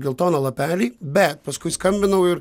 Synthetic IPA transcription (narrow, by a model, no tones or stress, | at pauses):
ɡʲɪlˠt̪oːnɐlˠɐpʲæːlʲiːbʲɛt̪̚pɐskʊɪskɐmʲbʲɪnɐʊɪɾ